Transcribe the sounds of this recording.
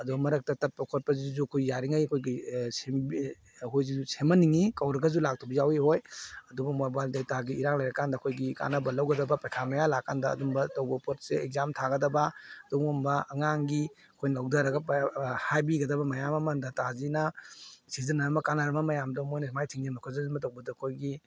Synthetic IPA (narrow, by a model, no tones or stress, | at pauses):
ɐdubɐmɐɾɐk̚tɐtɐt̚pɔkʰot̚pɐzizukʰojjaɾiŋajɐkʰojɡisembi | ɦojzizusemɐniŋikɐwɾɐɡɐzulak̚tʰobizawihojɐdubɐmojbaldajtaɡiːɾaŋlɐjɾɐkandɐkʰojɡika̰nɐbɐlɐwɡɐdɐbɐpajkʰamɐjalakːandɐ̰ːdumbɐtawbɐpot̚seek̚zamtʰaɡɐdɐbɐdɔmɔmbɐɐŋaŋɡi | ɐkʰojnlɐwdaɾɐɡɐphajbiɡɐdɐbɐmɐjamɐmɐndɐtazinɐsizɐnɐmɐkanɐɾɐmɐmɐjamdɐmojnɐimajtʰiŋimɐkʰɔzɐzinmbɐt̬ɐwbɐdɐɐkʰojɡi